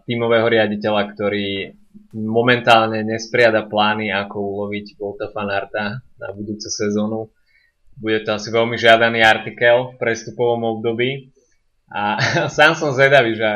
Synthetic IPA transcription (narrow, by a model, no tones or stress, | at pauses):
t̪iːmɔʋɛːɦɔɾɪaɟicɛʎakt̪ɔɾiː | mɔmɛnt̪aːlɲɛɲɛspɾɪad̪aplaːniakɔulɔʋiɟʋɔlt̪afanaɾt̪ana̰bud̪uːt͡sɛsɛzɔːnu | buɟɛt̪ɔasiʋɛlmiʒɪad̪aniːaɾt̪ikɛlfpɾɛst̪upɔʋɔmɔb̚d̪ɔbiː | ʔasaːmsɔmzʋɛd̪aʋiʒɛ